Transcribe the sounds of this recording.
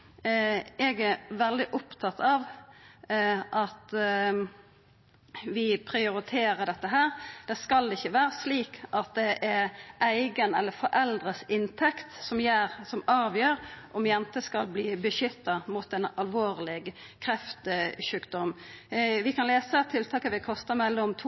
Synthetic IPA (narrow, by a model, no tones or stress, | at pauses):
ɛɡæɾʋɛld̪ɪʔʊpt̪ʰɑt̪ʰɑʋ | ʔɑt̪ | ʋɪpʰɾɪʊɾɪt̪ʰeːɾəd̪ɛt̪ːəɦæːɾd̪̥ɛskɑldɪçːəʋæːɾəsliːkʔɑt̪̚d̪ɛʔɛɾæɪɡənɛlːəfɔɾʔɛld̪ɾəsɪnt̪ʰɛkt̪sɔmjæːɾsɔmɑːʋjøːɾʔɔmjɛnt̪əskɑlbliːbəʃʏt̪ːɑmuːt̪ɛnɑlʋoːʁlɪɡ | kʰɾɛft̪əʃʉːkd̪ɔm | ʋɪkʰɑnleːsət̪ʰːɪlt̪ʰɑːkəʋɪkʰɔst̪ɑmɛlːɔɔmt̪ʰ